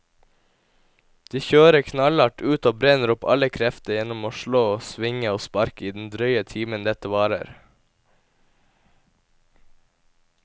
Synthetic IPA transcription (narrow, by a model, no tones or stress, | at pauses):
d̪̥iːçøːɾəkʰnɑlɑʈʉːt̪oːbɾɛnəɾʊpɑ̰ləkʰɾɛft̪əjɛnʊmoːʃɭoːsʋɪŋəoːspɑɾkəiːd̪n̩d̪ɾœʏət̪ʰiːmənd̪ɛt̪əʋɑːɾə̰ɾ